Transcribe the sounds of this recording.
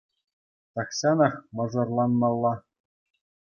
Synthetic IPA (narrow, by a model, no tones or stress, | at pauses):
t̪ɑkɕɑnɑ̆χmɤ̆ʐɤ̆rlˠɑnːɑlˠːɑ